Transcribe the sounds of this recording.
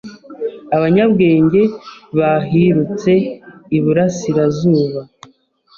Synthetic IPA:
aβaɲabɡe̞ːɲɟe̞βaɦiɾut͡se̞iβuɾasiɾazuːβa

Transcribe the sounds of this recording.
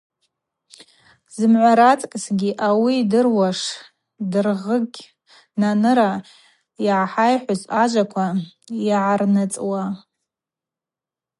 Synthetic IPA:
zɨmʕʷaɾat͡sʼkʼsɡʲiʔawidɨrwaʂ | dɨrʁəɡʲ | nanɨɾa | iʕaħajħʷʊzaʒʷakʷʰa | iʕarnɨt͡sʼwa

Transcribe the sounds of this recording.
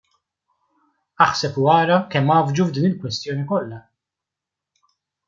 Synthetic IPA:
ɐħsɛpuɐːɾɐkɛmːɐːvd͡ʒuvd̪iːnɪlkwɛst̪jɔːnikɔlːɐ

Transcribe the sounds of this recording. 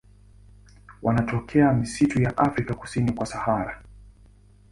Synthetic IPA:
wanatɔkʰɛamisitujaʔafɾikaku̥sinikwasahaɾa

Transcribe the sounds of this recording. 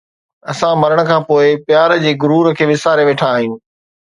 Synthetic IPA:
ɐsãmɐɾəɽ̃ə̆kʰãːpoːɪpjaːɾd͡ʑeːɡʊɾuːɾəkʰeːʋɪsaːɾeʋeːʈʰaːɦinɪ̆

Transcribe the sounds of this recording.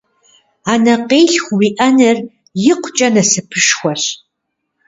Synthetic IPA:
aːnɐqeːjɬχʷwiʔɐnɨr | jɪqʷt͡ʃʼɐnɐsɨpʰɨʂxʷɔɕ

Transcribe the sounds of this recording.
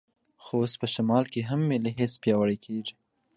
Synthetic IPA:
xoospəʃamɑlkeɦamːeleɦespjɑwəɽekʰeʐi

